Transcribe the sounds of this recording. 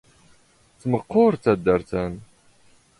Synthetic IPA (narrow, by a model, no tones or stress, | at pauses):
t͡sːməqːʊɾt͡sːæd̪ːæɾθæn